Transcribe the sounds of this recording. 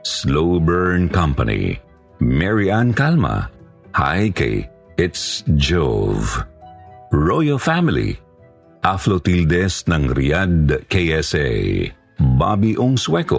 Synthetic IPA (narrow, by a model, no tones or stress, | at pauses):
slowbɛɹnkɐ̃mpɐ̰nḭ | mɛɹiʔankalmɐ̰ | ha̰jkɐ̰j | ɪt̪sd͡ʒov | ɹojofamɪlḭ | ʔaflot̪ild̪ɛsnɐŋɾ̰jad̪̚kejɛsɛ̰j | ba̰biʔoŋswɛko̰